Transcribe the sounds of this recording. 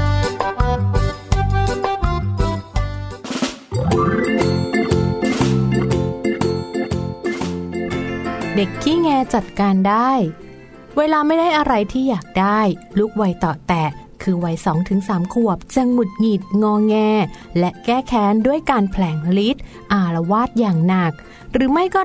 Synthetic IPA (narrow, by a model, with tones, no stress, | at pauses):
de˨˩kʰːiː˥˩ŋɛː˧t͡ɕa˨˩t̪̚kaː˧ndaː˥˩j | weː˧laː˧ma˥˩jdaː˥˩jʔa˧ɾa˧jt̪ʰiː˥˩jaː˨˩k̚daː˥˩jluː˦˥˩k̚wa˧jt̪ɔː˨˩t̪ɛ˨˩ | kʰɯː˧wa˧˥jsɔː˩˦ŋt̪ʰɯ˩˦ŋsaː˩˦mkʰu˨˩əp̚t͡ɕa˧ŋmu˨˩t̪̚ŋiː˨˩t̪̚ŋɔː˧ŋɛː˧lɛ˦˥ʔkɛː˥˩kʰɛː˨˥ndu˥˩əjkaː˧npʰlɛː˨˩˦ŋli˦˥t̪̚ | ʔaː˧˩ɾa˧waː˥˩t̪̚jaː˨˩ŋna˨˩k̚ | ɾɯː˩˦ma˥˩jkɔː˥˩